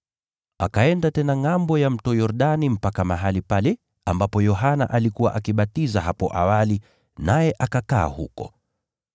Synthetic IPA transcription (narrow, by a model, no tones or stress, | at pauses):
akaɛndatɛnaŋambɔjam̩tɔjɔɾɗanim̩pakamaɦalipalɛ | ambapɔjɔɦana̰ʔalikuwa̰ʔakiɓatizaɦapɔ̰ʔawali | najɛʔakaka̰ːhṵkɔ̰